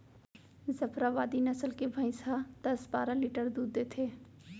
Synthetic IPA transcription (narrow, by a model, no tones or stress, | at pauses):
zɐpʰɾaʋaːd̪inɐsəlkebʱə̃ɪ̃sad̪̥ɐsbaːɾaliːʈəɾd̪uːd̪ːeːt̪ʰeː